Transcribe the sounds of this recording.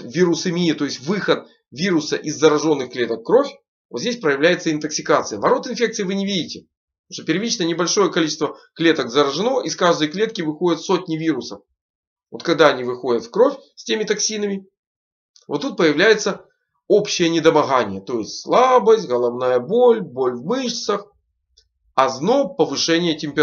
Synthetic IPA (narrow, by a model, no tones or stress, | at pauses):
vʲiɾʊsɨmʲiɪt̪o̞jɪsʲtʲvɨxət̪̚ | vʲiɾʊsəʔizːəɾɐʐo̞nːɨxklʲe̞t̪əkːɾo̞fʲ | vot̪zʲdʲes̬ʲpɾəjɪvlʲæjɪt̪səɪnt̪əksʲɪkat̪sɨjəvɐɾo̞t̪ɨnfʲe̞k̪̚sɨjɪvɨnʲɪvʲidʲɪtʲɪ | uʂt̪opʲɪɾvʲit͡ɕnəjənʲɪbɐlʲʂo̞jəkɐlʲit͡ɕɪst̪vəklʲe̞t̪əkzəɾəʐɨno̞ʔiskaʐd̪əjklʲe̞t̪kʲɪvɨxo̞dʲɪt̪fso̞tʲnʲɪvʲiɾʊsəf | vo̞t̪kɐɡd̪aɐnʲivɨxo̞dʲət̪fkɾo̞fʲsʲtʲemʲɪt̪ɐksʲinəmʲɪ | vot̪ːut̪̚pəjɪvlʲæjɪt̪sə | opɕːɪjənʲɪd̪əmɐɣanʲɪjət̪o̞jɪsʲtʲslˠabəsʲtʲɣəlˠɐvnajəbolʲbo̞lʲvmɨʂsəx | ɐzno̞pəvɨʂɛnʲɪjətʲɪmʲpʲɪ